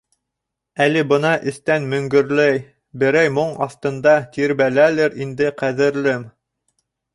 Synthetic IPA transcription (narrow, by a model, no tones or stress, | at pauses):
ælɘbɤ̆nɑʔɘ̆θt̪ænmɵ̆ŋɡɵ̆ɾlæj | bɘ̆ɾæjmoɴɑ̰θt̪ɤ̆nd̪ɑt̪iɾbælælɘɾind̪ɘqæðɘ̆ɾlɘm